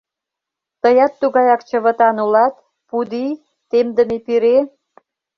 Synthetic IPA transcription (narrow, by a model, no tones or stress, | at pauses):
t̪əjɑt̪ːuɣɑjɑkt͡ɕəβə̆t̪ɑnulɑt̪ | pud̪i | t̪emd̪əmepiɾe